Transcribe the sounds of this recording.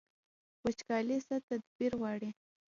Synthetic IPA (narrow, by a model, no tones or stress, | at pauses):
wət͡ʃkɑlisat̪ad̪̚biɾwɑɽi